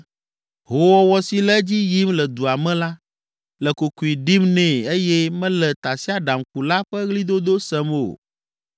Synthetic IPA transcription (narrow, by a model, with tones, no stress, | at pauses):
ɦo˨wɔ˦wɔ˦si˨lɛ˦d͡ʑi˦ji˦mlɛ˨d̪u˨a˨mɛ̃˦la˦ | lɛ˨ko˨ku˨i˨ɖi˦mnɛ̃˨e˦jɛ˦mɛ̃˦lɛ˨t̪a˨si˦a˦ɖa˨mku˨la˦ɸɛ˦ɣli˦d̪o˦d̪o˦sɛ˦mo̰˨